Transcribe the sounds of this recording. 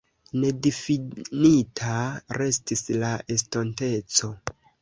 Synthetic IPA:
ne̞difinitʰaɾe̞stislaʔestonte̞t͡so̞

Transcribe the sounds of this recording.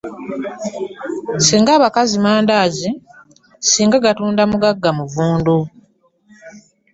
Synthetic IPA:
siːŋɡaːβakazimaːndaːzi | siːŋɡaɡatuːndamuɡaɡːamuvuːndu

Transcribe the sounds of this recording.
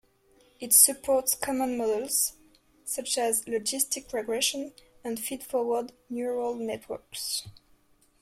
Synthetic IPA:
ɪtsɨpʰɔɹtskʰɑmə̃nmɔdəlˠz̥ | sʌt͡ʃæzlɔd͡ʒɪstɪkʰɹɛɡɹɛʃə̃nə̃nfidfɔwədnjuɹəlˠnɛtʰwə̰˞ks

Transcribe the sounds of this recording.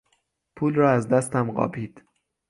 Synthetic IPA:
pʰuːlrɒːæzd̪æst̪æmɢɒ̰ːbiːd̪̥

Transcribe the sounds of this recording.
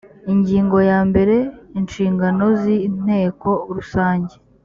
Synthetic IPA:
iɲɟiːŋɡo̞jaːmbe̞ɾe̞inʃiːŋɡano̞zin̥he̞ːko̞ɾusaːɲɟe̞

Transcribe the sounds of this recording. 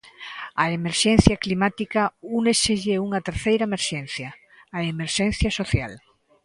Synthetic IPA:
ɐemeɾʃɛn̟θjɐklimat̪ikɐuneseʎeuŋɐt̪eɾθejɾaɐemeɾʃɛnθjɐː | emeɾʃɛ̃n̟θjɐsoθja̰l

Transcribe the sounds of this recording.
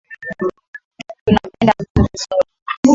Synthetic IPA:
tunapɛndakusu

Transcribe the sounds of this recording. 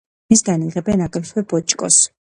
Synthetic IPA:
isd̪aniʁɛbɛnakʼɾɛt̪ʰwɛbɔt͡ʃʼkʼɔs

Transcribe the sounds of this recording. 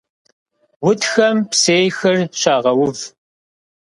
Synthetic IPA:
wʊtxɐmpseːjxɨrɕaːʁɐwʊv

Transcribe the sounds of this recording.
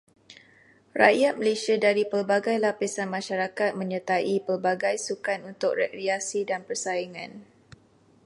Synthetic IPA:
ra̰jat̪̚məlesiadaɾipərbaɡajlapisanmãʃaɾakat̪̚mə̃ɲət̪aʔipərbaɡajsukanunt̪ʊk̚rɛkɾiasidanpərsaiŋã̰n

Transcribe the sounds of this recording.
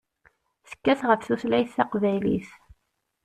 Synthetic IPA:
θə̥kːæθʁəfθuslæjθːɑqvæjlḭθ

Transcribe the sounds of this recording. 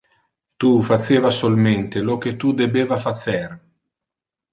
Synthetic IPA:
t̪ufat͡ʃːeːvasolment̪elok̟et̪ud̪ebeːvafat̪sɛr

